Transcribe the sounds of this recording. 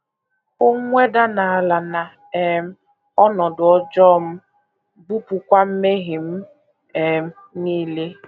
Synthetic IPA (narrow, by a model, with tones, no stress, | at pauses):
ʊ˦ŋʷe˦da˦na˨a˨la˨na˨ | ɛ˨m̩˦ | ɔ˦nɔ˨dʊ˨ɔ˦d͡ʒɔ˦˨m̩˦ | bu˦pu˨kʷa˦m̩˦me˦ɣɪ˨m̩˦ | ɛ˨m˦ | niː˦le˦